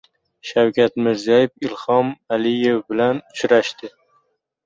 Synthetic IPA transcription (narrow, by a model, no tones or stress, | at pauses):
ʃawkʲʰat̪mɪɾzijajɪfɪlhɒmalɪje̞wbɪlanʊt͡ʃɾaʃt̪ɪ